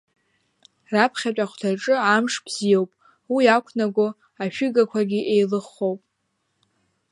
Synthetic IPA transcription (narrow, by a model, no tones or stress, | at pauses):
rapʰχʲat͡ʃʼaχʷtʰaʈ͡ʂʼɨamʂb̥zijowpʼ | wijakʷʰnaɡʷo | aʃᶣɪɡakʷʰaɡʲiʔejlɨχːo̞wpʼ